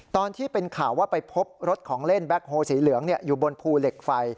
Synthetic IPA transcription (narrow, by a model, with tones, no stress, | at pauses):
t̪ɔː˧nt̪ʰiː˥˩pe˧nkʰaː˨˩wːaː˥˩pa˧jpʰo˦˥p̚ɾo˦˥t̪̚kʰɔː˩˦ŋle˥˩nbɛ˦˥k̚hoː˧siː˩˦lɯ˩˦əŋni˥˩əjuː˨˩bo˧npʰuː˧le˨˩k̚fa˧j